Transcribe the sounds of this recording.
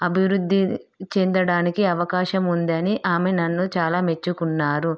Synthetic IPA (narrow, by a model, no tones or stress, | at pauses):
ɐbʱiʋɾud̪ʱːi | t͡ʃend̪ɐɽaːnikiɐʋɐkaːʃɐmund̪ɐniʔaːmenɐnːut͡ʃaːlaːme̞t͡ʃːukunːaːɾu